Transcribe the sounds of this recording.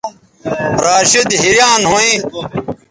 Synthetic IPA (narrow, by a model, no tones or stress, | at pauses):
ɾaːɕid̪ɦiɾjãːnɦõĩ